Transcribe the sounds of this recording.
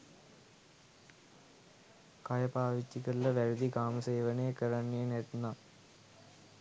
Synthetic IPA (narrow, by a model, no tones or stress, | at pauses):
kɐjɐpaːʋit̪ːikɐlːɐʋæɾud̪ikaːmɐseːʋɐnejɐkəɾanːejɐnet̪na